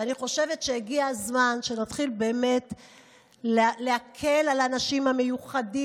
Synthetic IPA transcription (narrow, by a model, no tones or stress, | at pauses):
aniχo̞ʃe̞vetʃejiɡiazmanʃe̞natχilbe̞ːme̞t | lleakʰe̞lalanaʃimhamejuχadi